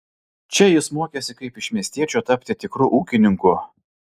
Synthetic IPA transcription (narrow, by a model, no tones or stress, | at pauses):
t͡ʃʲɛjɪsmoɔkʲeːsʲɪkɐɪpɪʃmʲiɛsʲt̪ʲiɛt͡ʃʲuːt̪ɐpʲt̪ʲɪt̪ʲɪkɾuːʔuːkʲɪnʲɪŋkʊ